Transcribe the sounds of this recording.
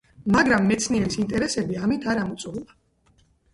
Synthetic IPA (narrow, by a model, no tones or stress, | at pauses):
maɡɾamːɛt̪sʰniɛɾisint̪ʼɛɾɛsɛbiamit̪ʰaɾamut̪sʼulˠa